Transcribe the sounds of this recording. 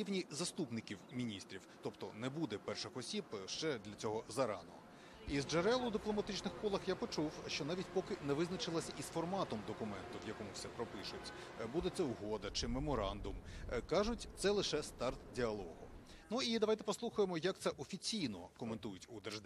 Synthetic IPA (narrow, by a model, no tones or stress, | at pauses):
iʋnʲizɐst̪upnɪkʲiwmʲinʲist̪ɾʲiwt̪ɔpt̪ɔnɛbud̪ɛpɛrʃɪxɔsʲibʃt͡ʃɛd̪lʲɐt͡sʲɔɦɔzɐɾɑ̰nɔ̰ | izd͡ʒeɾɛlˠʊd̪ɪplˠɔmɐt̪ɪt͡ʃnɪxkɔlˠɐxjapɔt͡ʃuwʃt͡ʃɔnɑʋʲitʲpɔkɪnɛʋɪznɐt͡ʃɪlˠɐsʲɐʔisfɔrmɑt̪ɔmd̪ɔkʊmɛnt̪ʊʋjɐkɔmʊwsɛpɾɔpɪʃʊtʲ | bud̪ɛt̪sɛuɦɔd̪ɐt͡ʃɪmemɔɾɑnd̪ʊmkɑʒʊtʲt̪sɛlˠɪʃɛst̪ɑrt̪dʲiɐlˠɔɦʊnuid̪ɐʋɑjt̪ɛpɔslˠuxʊjemɔjɐk̚t̪sɛʔɔfʲit͡sʲijnɔkɔment̪ujʊtʲud̪ɛrʒd̪